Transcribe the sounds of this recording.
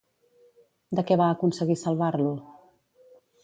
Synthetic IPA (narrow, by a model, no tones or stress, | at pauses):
d̪əkɛβaːkunsəɣisəlˠβarlu